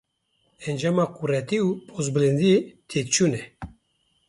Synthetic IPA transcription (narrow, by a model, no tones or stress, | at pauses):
ɛnd͡ʒaːmɑːkuɾɛt̪iuːpʰozbɨlɨnd̪iet̪ʰet̪̚t͡ʃʰunɛ